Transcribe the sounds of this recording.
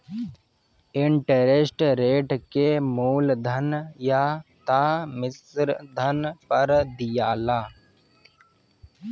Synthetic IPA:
ɪɳʈəɾesʈɾeːʈkemuːld̪ʱənjat̪aːmɪsɾd̪ʱənpəɾd̪ɪjaːlaː

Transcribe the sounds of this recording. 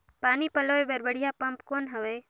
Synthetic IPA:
paːnipɐloːebɐɾbəɽijapɐmpkoːnɦɐʋe

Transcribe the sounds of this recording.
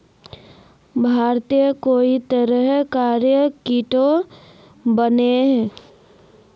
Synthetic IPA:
bʱaːɾt̪ijəkoːit̪əɾəɦkaːɾjəkiʈo | bəneɦɛ̃ː

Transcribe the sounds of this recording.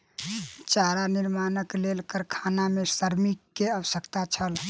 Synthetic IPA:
t͡ʃaɾaniɾmanəklelkəɾkʰanamesəɾmikːeəʋəsəkt̪at͡ʃʰəl

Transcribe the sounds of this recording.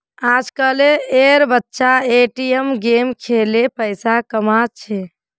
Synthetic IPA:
ad͡ʒkəleeɾbətːʃaeʈijəmɡemkʰelepəjsakəmat̪̚t͡ʃʰɛ

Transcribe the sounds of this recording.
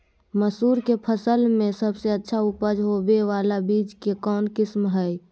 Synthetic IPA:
məsuːɾkepʰəsəlmẽsəbseətːʃʰaʊpəd͡ʒɦobeʋaːlabiːd͡ʒkekɔːnkɪsmɦəj

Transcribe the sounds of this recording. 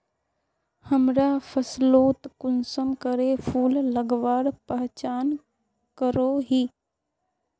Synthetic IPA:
həmɾaːfʰəsloːt̪kʊnsəmkəɾepʰuːlːəɡʋaːɽpəɦt͡ʃaːn | kəɾoːɦiː

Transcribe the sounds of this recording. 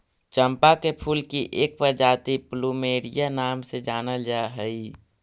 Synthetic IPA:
t͡ʃə̃mpakepʰuːlkiʔeːk̚pəɾd͡ʒaːt̪ipluːmeːɾijanaːmsed͡ʒaːnəld͡ʒaɦəi

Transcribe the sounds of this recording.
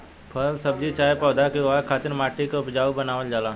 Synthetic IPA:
pʰəlsɐb̚d͡ʒit͡ʃaːepɔːd̪akeʋakʰaːt̪ɪɾmaːʈikopɪd͡ʒaːubənaːʋəld͡ʒaːlaː

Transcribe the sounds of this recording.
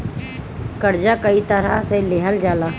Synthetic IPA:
kəɾd͡ʒakəit̪əɾaseleɦəld͡ʒaːlaː

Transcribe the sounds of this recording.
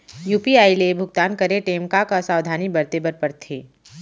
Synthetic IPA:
juːpiaːilebʱʊɡt̪aːnkɐɾeʈeːmkakasaːʋd̪ʱaːnibɐɾt̪ebəɾpəɾt̪ʰeː

